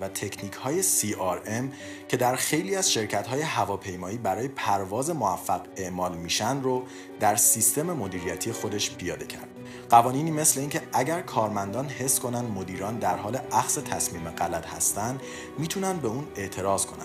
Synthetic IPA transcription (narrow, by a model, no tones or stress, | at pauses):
væt̪ʰe̞cʰniːcʰhɒːje̞siːɒɾem | cʰe̞d̪æɾxe̞jliːæz̥ʃe̞ɾcʰæt̪ɦɒːje̞ɦævɒːpʰe̞jmɒːiːbæɾɒːjepʰæɾvɒːze̞moæfːæɣe̞ʔmɒːlmiːʃænd̪ɾo | d̪̥æɾsist̪e̞me̞mo̞d̪iːɾijæt̪ʰije̞xo̞d̪e̞ʃpʰijɒːd̪e̞cʰæ̰ɾd̪̥ | ɢ̥ævɒːniːniːme̞sle̞iːncʰe̞æɟæɾkʰɒːɾmænd̪ɒːnhe̞sːko̞nænd̪mo̞d̪iːɾɒːnd̪æɾɦɒːle̞æxse̞t̪ʰæsmiːmeɢælæt̪hæ̰st̪ænd̪ | miːt̪ʰunænd̪̚be̞uːne̞ʔt̪ʰe̞ɾɒːzkʰonæ̰̥